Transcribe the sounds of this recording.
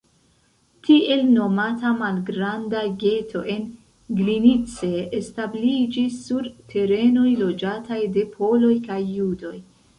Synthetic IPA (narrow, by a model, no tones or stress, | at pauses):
tie̞lno̞matamalɡɾandaɡe̞tʰo̞ʔe̞n | ɡlinit͡se̞ːstablid͡ʒisːuɾtʰe̞ɾe̞no̞jlo̞d͡ʒatʰajde̞pʰo̞lo̞jkajːudo̞j